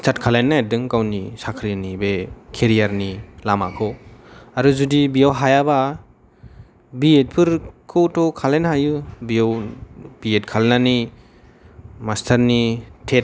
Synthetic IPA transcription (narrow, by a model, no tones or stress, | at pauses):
stʰatkʰalajnːadɯŋkawnisakʰɾinibekʰeɾijaɾnilama̰kʰɔwaɾuzudibijawɦajaba | biet̚pʰɯɾkʰɯwtɔkʰalenɦajubijawb̥iet̚kʰalnani | mastʰɐɾnitʰet̚